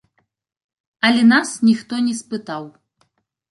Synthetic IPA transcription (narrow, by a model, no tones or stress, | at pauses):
ɐlʲɛnasnʲixt̪ɔnʲɛspɨt̪aw